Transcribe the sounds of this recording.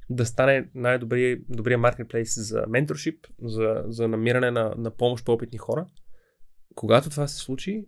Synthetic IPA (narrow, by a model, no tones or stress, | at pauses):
d̪ɐst̪anɛnajd̪obɾid̪obɾijəmaɾkɛt̪̚plɛjszɐ̰mɛnt̪oɾʃipzɐzɐnɐmiɾɐnɛnɐnɐpɔmoʃt̪pɔpit̪nixɔɾə | koɡat̪ot̪ovasɛ̥slˠut͡ʃi